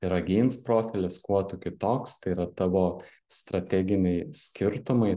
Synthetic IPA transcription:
ɾɐɡʲiːnspɾoːfʲɪlʲɪskuɔt̪ʊkʲɪt̪oːkst̪ɐɪiɾɐt̪ɑʋoː | st̪ɾɐt̪ʲæːɡʲɪnʲɛɪsʲkʲɪɾt̪ʊmɐɪ

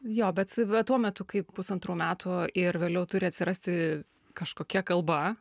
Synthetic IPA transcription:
joːbʲɛt̪ɐt̪uɔmʲɛt̪ʊkɐɪppʊsɐnt̪ɾuːmʲæːt̪ʰʊɪrʋʲeːlʲɛʊt̪ʊɾʲɪɐt̪ʲsʲɪɾɐsʲt̪ʲɪ | kɐʃkoːkʲɛkɐlˠbɐ

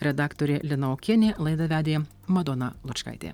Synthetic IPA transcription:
ɾʲɛd̪ɑːkt̪oːɾʲelʲɪnɐoːkʲeːnʲeːlˠɐɪd̪ɐʋʲæːd̪ʲeːj | mɐd̪oːnɐlˠʊt͡ʃkɐ̰ɪt̪ʲḛː

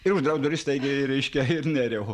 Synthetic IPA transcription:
ɪɾʊʒd̪ɾɐʊd̪oɾɪst̪ɐɪɡʲɪɾʲɛɪʃʲkʲɛɪɾnʲɛɾʲɛʊ

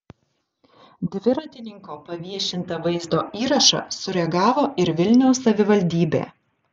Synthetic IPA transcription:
d̪ʲʋʲɪɾɐt̪ʲɪnʲɪŋkoːpɐʋʲiɛʃʲɪnt̪ɐʋɐɪzd̪oːiːɾɐʃɐ̰sʊɾʲɛɡɑːʋoːʔɪɾʋʲɪlʲnʲɛʊsːɐʋʲɪʋɐlʲd̪ʲiːbʲḛː

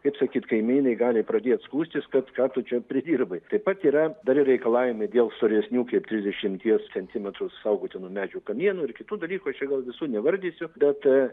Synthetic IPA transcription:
kɐɪpsɑkʲiːt̪kɐɪmʲinɐɪɡɑːlʲɪpɾɐd̪ʲeːt̪skuːsʲt̪ʲɪskɐt̪kɑːt̪ʊt͡ʃʲɛpʲɾʲɪd̪ʲiːrbɐɪt̪ɐɪpɐt̪iːɾɐd̪ɐɾɪrɾʲɛɪkɐlˠɑːʋʲɪmɐɪd̪ʲeːlˠst̪oːɾʲɛsʲnʲuːkɐɪpt̪ʲɾʲɪzʲd̪ʲɛʃʲɪmʲt̪ʲiɛst͡sʲɛnʲt̪ʲɪmʲɛt̪ɾʊsɐʊɡoːt̪ʲɪnuɔmʲæːd͡ʒʲuːkɐmʲiɛnʊɪrkʲɪt̪uːd̪ɐlʲiːkuːɐʃt͡ʃʲɛɡɐlˠʋʲɪsuːnʲɛʋɐɾʲd̪ʲiːsʲʊbʲɛt̪

